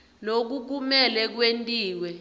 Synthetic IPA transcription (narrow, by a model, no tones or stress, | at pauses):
lok̬uk̬umɛlɛk̬wentʼiːwɛ